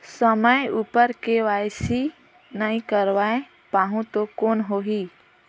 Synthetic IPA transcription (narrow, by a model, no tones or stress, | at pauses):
səməjupəɾkeʋajsi | naĩkəɾʋae | paɦũt̪okoːnɦoɦi